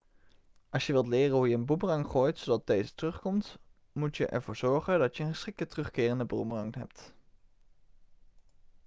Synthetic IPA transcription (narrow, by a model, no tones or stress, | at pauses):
ʔɑlˠsjəʋɪlˠtlɪːrənɦujəənbumrɑŋχoːjtsowdɑt̚dejzətərɵχkɔmt | mutjəʔɛ̰ɹvʊːɹz̥ɔɹχəndɑtjəənχəsχɪk̚tətərɵχkɪːrəndəbumrɑŋɦɛ̰p̚t